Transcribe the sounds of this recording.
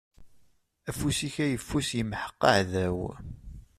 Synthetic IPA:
æfusiçæjəfːusjəmħə̥qːəʕðæw

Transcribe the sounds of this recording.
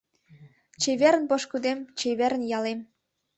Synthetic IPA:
t͡ɕeβeɾə̆npoʃkud̪emt͡ɕeβeɾənjɑlem

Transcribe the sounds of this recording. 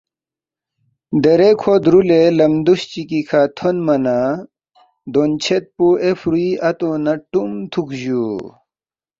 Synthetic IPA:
d̪eɾekʰod̪ɾulelɐmd̪uɕt͡ɕikikʰat̪ʰonmɐna | d̪ont͡ɕʰet̪̚puʔefɾuiʔɐt̪onɐʈumt̪ʰukʑu

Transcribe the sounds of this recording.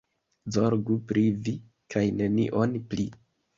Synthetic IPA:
zo̞ɾɡupɾivi | kʰajne̞nḭʔo̞npli

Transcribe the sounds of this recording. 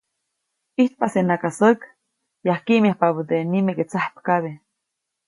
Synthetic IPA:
iht̪̚pasenakasək | jahkiʔmahpapət̪enimeket͡sahpkaβe

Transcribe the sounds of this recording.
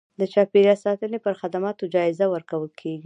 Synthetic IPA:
d̪ət͡ʃɑpeɾjɑsɑt̪ənepəɾxad̪amɑt̪od͡ʒɑɪzawəɾkawəlkʰeɡi

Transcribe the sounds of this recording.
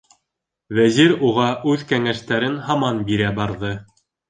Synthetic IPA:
wæziɾuʁɑʔʉðkæŋæʃt̪æɾɘnɦɑmɑnbiɾæbɑɾðɤ

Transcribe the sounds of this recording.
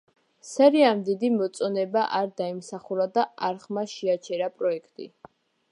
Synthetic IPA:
sɛɾiamd̪id̪imɔt̪sʼɔnɛbaʔaɾd̪aimsaχuɾad̪aaɾχmaʃɛat͡ʃʰɛɾapʼɾɔɛkʰt̪ʼḭ

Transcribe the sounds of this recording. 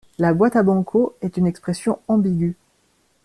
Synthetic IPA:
labwat̪abɑ̃kʰoɛt̪ynɛkspχɛsjɔ̃ɑ̃biɡʲy

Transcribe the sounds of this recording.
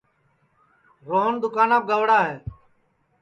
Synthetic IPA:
ɣoːnd̪ʊkaːnaːb̚ɡəʋɽaːɦeː

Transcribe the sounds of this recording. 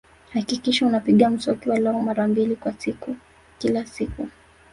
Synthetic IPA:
hakikiʃaunapiɠam̩sɔkiwalɛɔmaɾambilikwasiku | kilasiku

